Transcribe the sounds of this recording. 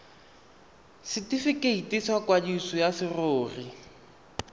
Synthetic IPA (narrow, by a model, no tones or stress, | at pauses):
sɪtɪfɪkeitiswakwadisɔjasɪroːri